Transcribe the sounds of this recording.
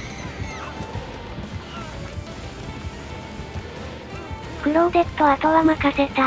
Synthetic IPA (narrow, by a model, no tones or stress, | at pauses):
kɯɾod̪e̞t̪ːoβat̪oβamakaset̪a